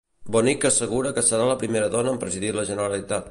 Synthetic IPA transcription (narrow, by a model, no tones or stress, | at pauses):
bɔnikəsəɣ̞uɾəkəsəɾaləpɾimeɾəðɔnəːmpɾəziðiləʒənəɾəlit̪at̪̚